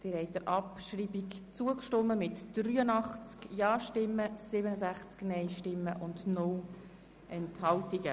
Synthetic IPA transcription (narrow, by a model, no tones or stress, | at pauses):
d̪̥iɾɛɪtəɾʔɑpʃriːbikt͡suəkʃtʊmːəmɪtd̥ryːənɑχt͡skjɑːʃtɪmːəsɪbənəzæχt͡sknɛɪʃtɪmːəʔʊndnʊl | ɛnthɑltiɡ̥ə